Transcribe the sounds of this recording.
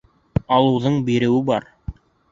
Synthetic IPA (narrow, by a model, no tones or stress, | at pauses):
ɑlˠɤ̆wðɤɴbiɾɘ̆wɘbɑ̰ɾ